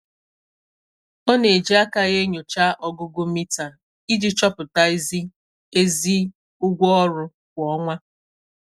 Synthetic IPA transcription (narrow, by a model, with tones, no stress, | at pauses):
ɔ˦ne˨d͡ʒi˦a˦ka˨ɣe˦ɲo˨t͡ʃa˦ʔɔ˦ɡʊ˦ɡʊ˦mi˦ta˨ | i˦d͡ʒi˦t͡ʃɔ˦pʊ˨ta˦i˦zi˦ | e˦zi˦ | ʊ˦ɡʷɔ˦ɔ˦ɾʊ˦ | kʷɔ˦ŋʷa˦